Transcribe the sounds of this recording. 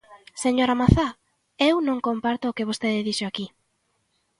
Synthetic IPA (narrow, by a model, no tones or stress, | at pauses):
seɲoɾamaθa | ewnõŋkompaɾt̪ʊːkeβ̞ost̪eðɪðiʃoaki